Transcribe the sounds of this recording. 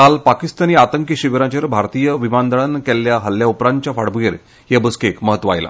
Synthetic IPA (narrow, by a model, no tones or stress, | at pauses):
kalpakist̪aniːat̪əŋkəɕiʋɾãt͡ɕəɾbʱaɾt̪ijəʋimand̪əɭankɛljaɦəlːjaupɾaɲt͡ɕjafaɽbuɡeɾ | jebəskekməɦət̪ːʋaa̰jla̰